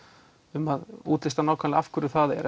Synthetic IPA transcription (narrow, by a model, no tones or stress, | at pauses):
ʏmaðuːt̪lɪst̪anaːwkʰanafkʰʏɾʏθaðɛ̰ɾ